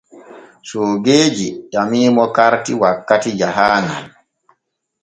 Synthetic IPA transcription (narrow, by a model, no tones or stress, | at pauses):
soːɡeːd͡ʒiɗamiːmɔkaɾtiwakːatid͡ʒaɦaːŋɡa̰l